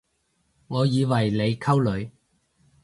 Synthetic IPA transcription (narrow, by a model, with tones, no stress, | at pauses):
ŋɔː˨˧jiː˨˧wɐ˨˩jle˨˧jkʰɐ˥wlɵ˨˧ɥ